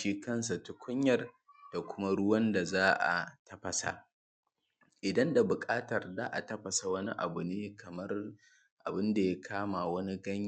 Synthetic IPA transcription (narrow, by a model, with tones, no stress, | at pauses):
iː˦kɐ˦nsa˨tʊ˦kʷʰʊ˦ɲjɐ˨r | d̥a˨kʷʊ˦ma˦ɽʊ˦wɐ˦nda˨zaː˦ʔa̰˨tʰɐ˦ɸɐ˨sa̰˨ | ʔɪ˨dɐ˦nda˨bʊ˨kʼaː˦tɐ˨rzaː˦ʔa˨tɐ˦ɸɐ˨sa˨wɐ˦ni˦ʔa̰˨bʊ˨neː˦kʰɐ˨mɐ˦r | ʔa̰˨bɪ˦nda˨ja˦kʰaː˦ma˨wɐ˦ni˦ɡɐ˦ɲ˦